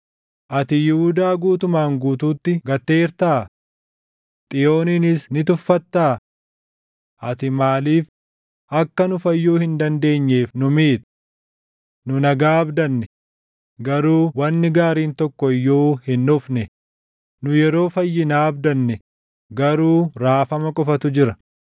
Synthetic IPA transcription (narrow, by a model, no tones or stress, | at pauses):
ʔɐt̪ɪjɪhʊd̪aːɡuːt̪ʊmaːŋɡuːt̪uːt̪ːɪɡɐt̪ːe̞ːɾt̪aː | t̪ʼɪjo̞ːniːnɪsnɪt̪ʊfːɐt̪ːaː | ʔɐt̪ɪmaːliːf | ʔɐkːɐnʊfɐjːuːhɪnd̪ɐnd̪e̞ːɲːe̞ːfnʊmiːt̪ʊ̥ | nʊnɐɡaːɐbd̪ɐnːɛ | ɡɐɾuːwɐnːɪɡaːɾiːnt̪ɔkːɔɪjːoːhɪnːʊfnɛ | nʊjɛɾo̞ːfɐjːɪnaːɐbd̪ɐnːɛ | ɡɐɾuːɾaːfɐmɐkʼɔfɐt̪ʊd͡ʒɪɾɐ